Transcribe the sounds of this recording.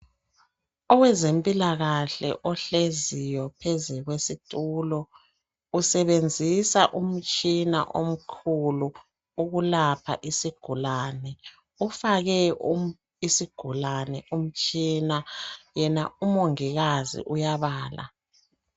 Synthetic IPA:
ɔwɛzempʼilaɣaɬɛ̰ʔɔɬezijɔpʰezɛɣwesitʼuːlɔ | usɛβend͡zʱisaʔum̩t͡ʃʼina̰ʔom̩kʰulu | uɣulapʰa̰ʔisiɡ̥ʱulaːnɛ | ufaɣɛu | isiɡ̥ʱulanɛʔum̩t͡ʃʼinajɛnaumoŋiɣazḭʔujaβaːla̰

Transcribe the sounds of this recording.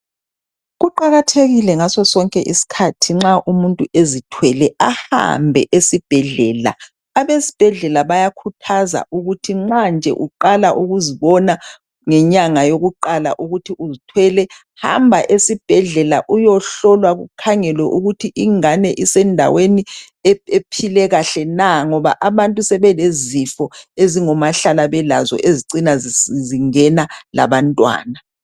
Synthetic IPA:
ɣuǃaɣatʰeɣilɛŋasɔsɔŋkʼɛʔisi̥kʰatʰiŋ͡ǁaʔumuntʼuʔezitʰwɛlɛaha̰mbʱɛ̰ʔesib̥ʱɛɮɛːla̰ | aβesi̥b̥ʱɛɮɛlaβajakʰutʰaza̰ʔuɣutʰiŋ͡ǁand͡ʒʱɛ̰ʔuǃalaʔuɣuziβɔna | ŋɛɲaŋajoɣuǃala̰ʔuɣutʰiʔuzitʰwɛlɛ | ha̰mbʱaʔesib̥ʱɛɮɛlaʔujɔɬɔlwaɣṵkʰaŋɛlwɛʔuɣutʰiʔiŋanɛʔisɛndʱa̰weni | eepʰilɛɣaɬɛnaŋɔβa̰ʔaβantʼusɛβɛlezifɔeziŋɔmaɬalaβɛla̰zɔ̰ʔeziǀinazziŋɛnala̰βantʼwa̰ːna

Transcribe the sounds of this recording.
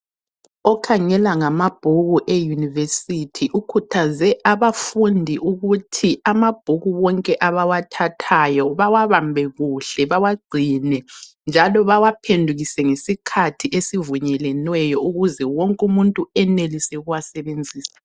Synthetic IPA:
ɔkʰaŋɛlaŋamab̥ʱuɣuʔejunivesitʰiʔukʰutʰazɛʔaβafundʱiʔuɣutʰiamab̥ʱuɣuwɔŋkʼɛʔaβawatʰatʰajɔβawaβambʱɛɣuɬɛβawaɡ͡ǀʱinɛ | nd͡ʒʱalɔβawapʰendʱuɣisɛŋesikʰatʰiʔesivuɲɛlɛnwɛjɔuɣuzɛwɔŋkʼumuntʼuɛnelisɛɣuwasɛβend͡zʱiːsḁ

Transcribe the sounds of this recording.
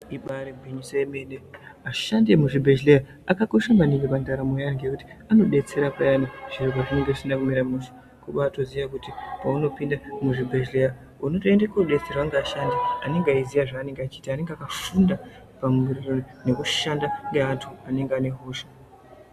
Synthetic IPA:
iɓaɾebʱiɲisemeːneaʃandemuʐibʱed͡ʒleja | akako̞ʃamaniŋɡepandaɾamojaŋɡekuti̥ano̞ɓe̞t͡se̞ɾapajaniʐ̥irokaʐine̞ŋɡeisindakumiɾamuso̥ | kuɓato̞ziʋakutipauno̞pindamuʐibʱed͡ʒleja | uno̞toendekoɓe̞t͡seraŋɡeaːʃandiane̞ŋɡeaizijaʐaːne̞ŋɡeat͡ʃiːtaːne̞ŋɡeakafunda | pamurironine̞kuʃandaŋɡeantʰuane̞ŋɡeane̞ɦoːʃḁ

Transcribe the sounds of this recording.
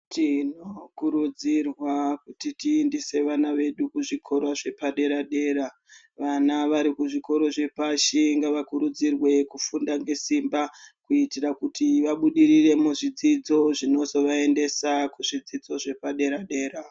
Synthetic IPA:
tinokuɾud͡zirwakutitiːndise̞ʋanaʋe̞ɗukuʐikʰo̞ɾaʐe̞paɗe̞ɾaɗe̞ːɾa | ʋanaʋaɾikuʐiko̞ɾo̞ʐe̞paʃiŋɡaʋakuɾud͡zirwe̞kufundaŋɡe̞simbakuitirakutiʋaɓuɗirire̞muʐid͡zid͡zo̞ʐino̞zo̞ʋae̞nde̞sakuʐid͡zid͡zo̞ʐe̞paɗe̞ɾaɗe̞ːɾa

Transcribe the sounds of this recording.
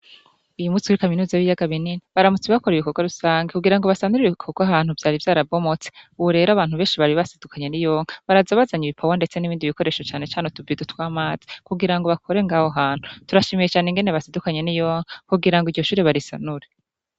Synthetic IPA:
ujumuːt͡si̥kuɾikaminuːzajuijaɡaβininiβaɾamut͡siβakoɾiβikoɡwaɾusaːŋɡekuɡiɾaŋɡo̞βasanuɾiiβikʰoɡwahaːn̥uvjaːɾivjaːɾabɡo̞mot͡se̥uβuɾe̞ːɾaβaːnhuβe̞ːnʃiβaɾiβasidukʰaɲe̞nijo̞ːŋ̥aβaɾazaβazaɲiβipʰawande̞t͡seniβiːndiβiko̞ɾeːʃo̞t͡ʃaːnet͡ʃaːnetuvidutwaːmaːzi̥kuɡiɾaŋɡo̞βakʰo̞ɾe̞ŋɡaːhoɦaːn̥hutuɾaʃimijet͡ʃaːneŋɡe̞ne̞βasidukaɲe̞nijo̞ːŋakuɡiɾaŋɡiɟo̞ʃuːɾeβaɾisanuɾe

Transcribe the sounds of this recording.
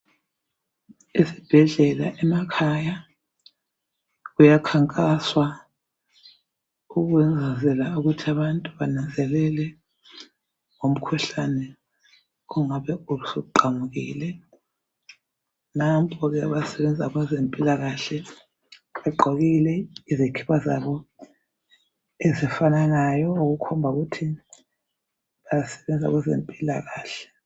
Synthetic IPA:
isi̥b̥ʱɛɮɛla̰ʔɛmakʰaja | ɣujakʰaŋkʼaswa | uɣwɛnd͡zʱazɛlauɣutʰiaβantʼuβanand͡zʱɛlɛlɛ | ŋom̩kʰuɬanɛ | uŋaβɛuβusouǃamuɣḭːlɛ | nampʼɔɣɛaβasɛβɛnd͡zʱaɣwazempʼilaɣaɬɛ | ɛǃʱɔɣilɛizekʰi̥βaza̰βɔ | ezifanaŋajɔuɣukʰɔmbʱauɣutʰi | βajasɛ̥βɛnd͡zʱa̰ɣɛzḛmpʼilaɣaːɬɛ̥

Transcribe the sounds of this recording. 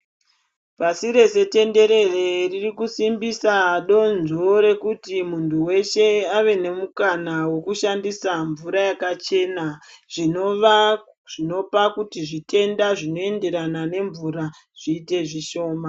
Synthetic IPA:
pasiɾe̞se̞te̞nde̞ɾe̞reririkusimbisaɗo̞nzoɾe̞kutimuntʰuwe̞ʃe̞aʋe̞ne̞mukanawo̞kuʃandisaɱvuɾajakat͡ʃe̞ːnaʐ̥inoʋa | ʐ̥ino̞pakutiʐite̞ndaʐino̞e̞nde̞ɾanane̞ɱvuɾa | ʐ̥iːte̞ʐiʃo̞ːma

